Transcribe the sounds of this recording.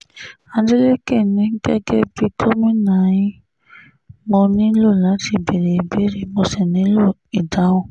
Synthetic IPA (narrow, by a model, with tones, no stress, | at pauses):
a˧n˦de˦le˦kɛ˦˨nĩ˨˦ŋ̩˦ɡɛ˦ɡɛ˦bi˧kʰo˦mĩ˦nã˨ji˦ | mɔ̃˧nĩ˦lo˦˨la˨˦ti˧be˨ɾe˨be˦ɾi˨mɔ̃˧sɛ˨nĩ˨˦lo˦˨i˨da˨˦wɔ̃˦˨